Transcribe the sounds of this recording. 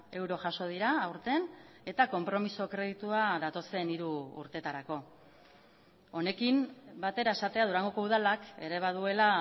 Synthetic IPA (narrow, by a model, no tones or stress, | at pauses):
e̞wɾo̞ʝaso̞ð̞iɾaːwɾt̪e̞ne̞t̪ako̞mpɾo̞miso̞kɾe̞ðit̪uaðat̪o̞se̞niɾṵːɾt̪e̞t̪aɾako̞ | o̞ne̞kimbat̪e̞ɾae̞sat̪e̞aðuɾaŋɡo̞ko̞uðalake̞ɾe̞β̞aðue̞la